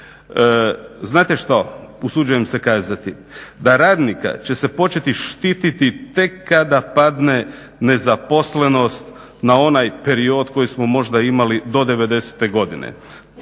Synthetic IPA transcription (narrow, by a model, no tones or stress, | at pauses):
znaːt̪e̞ʃt̪ausud͡ʒuje̞mse̞kaːzat̪i | d̪aɾaːd̪nika̰t͡ɕe̞se̞po̞t͡ʃe̞t̪iʃt̪iːt̪it̪it̪e̞kːad̪apad̪ne̞ | ne̞zapo̞sle̞no̞st̪ | nao̞najpe̞ɾio̞d̪ko̞jismo̞mo̞ʒd̪aimalid̪o̞d̪e̞ʋe̞d̪e̞se̥t̪e̞ɡo̞d̪inḛ